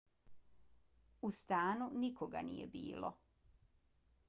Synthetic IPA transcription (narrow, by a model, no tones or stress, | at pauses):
ust̪aːnunikoɡa̰nḭjebḭːlo̰